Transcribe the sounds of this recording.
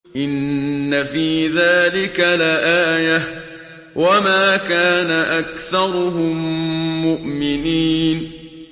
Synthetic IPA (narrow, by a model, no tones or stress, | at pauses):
ʔɪnːafiːðaːlɪkalaʔaːja | wamaːkaːnaʔakθɑɾˤʊɦʊmːʊʔmɪniːn